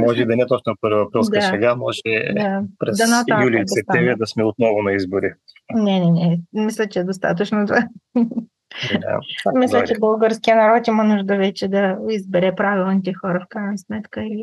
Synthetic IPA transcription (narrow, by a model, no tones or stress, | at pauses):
mɔʒɛid̪ɐnʲɛt̪ɔt͡ʃnpəɾvivɐpɾilˠd̪asɛɡamɔʒɛd̪apɾɛsd̪ɐnat̪ajulʲiilissɛp̚t̪ɛvɾʲid̪ɐsmɛot̪̚nɔvʊnɐizboɾinɛnɛnɛmislʲət͡ʃɛːd̪ost̪a̰t̪ət͡ʃnot̪ova | a̰misllʲət͡ʃɛbəlˠɡəɾskijənɐɾɔt̪imənuʒd̪əvɛt͡ʃɛd̪ɐizbɛɾɛpɾavilˠnit̪ɛxɔɾəfkɾajnɐsmɛt̪kəili